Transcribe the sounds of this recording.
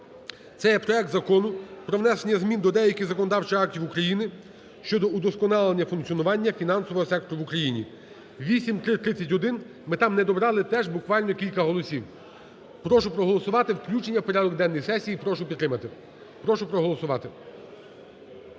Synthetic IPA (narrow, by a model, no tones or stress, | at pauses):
t̪sɛjɛpɾɔɛk̚t̪zɐkɔnʊpɾɔʋnɛsenʲɐzmʲind̪ɔd̪ɛjɐkʲizɐkɔnɔd̪ɑwt͡ʃɪxɑk̚tʲiwukɾɐjinɪ | ʃt͡ʃɔd̪ɔud̪ɔskɔnɑlˠenʲːɐfʊnkt͡sʲiɔnʊʋɑnʲːɐfʲinɑnsɔʋɔɦɔsɛk̚t̪ɔɾʊʋukɾɐjinʲi | ʋʲisʲimt̪ɾɪt̪ɾɪt͡sʲːɐtʲɦɔd̪ɪn | mɪt̪ɑmnɛd̪ɔbɾɑlˠɪt̪ɛʒbʊkʋɑlʲnɔkʲilʲkɐɦɔlˠɔsʲiw | pɾɔʃʊpɾɔɦɔlˠɔsʊʋɑt̪ɪwklʲut͡ʃenʲːɐwpɔɾʲad̪ɔɡd̪ɛnːɔjsɛsʲijipɾɔʃʊpʲid̪t̪ːɾɪmɐt̪ɪ | pɾɔʃʊpɾɔɦɔlˠɔsʊʋɑt̪ɪ